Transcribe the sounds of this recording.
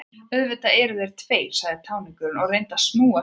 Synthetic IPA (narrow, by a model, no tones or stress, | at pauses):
œðvɪt̪aɛːɾʏðejɾ̥t̪ʰveːj̥saɣðɪt̪ʰawnɪŋkʏɾnɔɣrejnt̪asmuːa